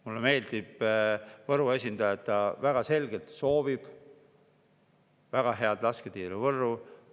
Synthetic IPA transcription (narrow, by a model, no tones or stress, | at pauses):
mulːeme̞ːld̪̥ib̥vɤɾue̞s̬ʲind̪̥ɑjɑet̪ːɑvæɡ̥ɑse̞lɡ̥elt̪so̞ːvib̥ | væɡ̥ɑɦe̞ɑd̪lɑsket̪iːɾuvɤrːu